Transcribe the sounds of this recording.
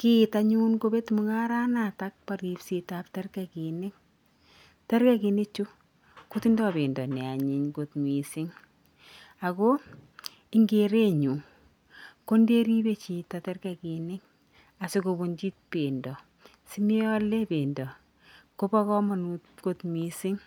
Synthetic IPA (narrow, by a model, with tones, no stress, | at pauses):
kita˨ɲu˦nko˦be˦tmu˦ŋa˦ɾa˦nata˦k̚paɾi˨psi˨taptɛ˦rka˨ki˨nɪ˦ŋ | te˦ɾka˦ki˨nɪ˦t͡ʃu˦ | ko˦ti˦ndɔ˦be˨ndɔ˨nɛ˨a˨ɲi˨ɲko˨tmwi˨sɪ˦ŋ | a˨ko˦ | ɪ˦ŋɡe˨ɾe˦ɲu˨ | ko˦nde˦ɾi˦be˦t͡ʃi˨ta˨tɛ˦rka˨ki˨nɪ˦ŋ | a˨si˦ko˨bo˨nt͡ʃi˦t̚pe˨ndɔ˨ | si˦mi˦ɔ˦le˦pe˨ndɔ˨ | ko˦pa˦kɔ˦ma˨nutko˦tmwi˨sɪ˦ŋ